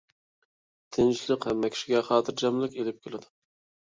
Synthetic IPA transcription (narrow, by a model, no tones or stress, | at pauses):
t̪ʰɪnt͡ʃlˠɨqhɛmːɛkʲi̥ʃiɡʲɛχɑːt̪ʰɨɾd͡ʒɛmlˠɪkʲelɪp̚kʲʰelɪd̪ʊ